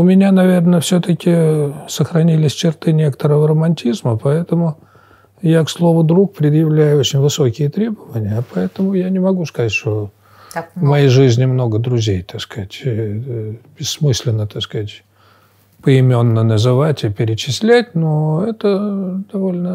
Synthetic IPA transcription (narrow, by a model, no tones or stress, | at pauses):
ʊmʲɪnʲanɐvʲe̞rnəfsʲot̪əkʲɪsəxɾɐnʲilʲɪsʲt͡ɕɪrt̪ɨnʲe̞kə̥t̪əɾəvəɾəmɐnʲtʲizməpɐɛt̪əmʊ | jakslˠo̞vʊd̪ɾuk̚pɾʲɪd̪jɪvlʲæjʊot͡ɕɪnʲvɨso̞kʲɪjət̪ɾʲe̞bəvənʲɪjəpɐɛt̪əmʊjanʲɪmɐɡuskɐzatʲʂt̪o | vmɐjejʐɨzʲnʲɪmno̞ɡəd̪ɾʊzʲejt̪ɐskatʲ | bʲɪsːmɨsʲlʲɪnːət̪askætʲ | pəɪmʲonːənəzɨvatʲɪpʲɪɾʲɪt͡ɕɪsʲlʲætʲnoɛt̪əd̪̥ɐvo̞lʲnə